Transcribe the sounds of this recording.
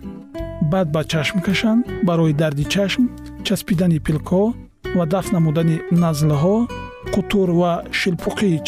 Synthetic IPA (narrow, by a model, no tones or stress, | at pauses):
bad̪̚bat͡ʃʰaʃmkʰaʃanbaɾɔjid̪aɾd̪it͡ʃʰaʃmt͡ʃʰaspid̪anipʰilkʰɔ | vad̪aftnamud̪aninazlɦɔ | qʰut̪ʰuɾvaʃilpʰuqʰiːt͡ʃ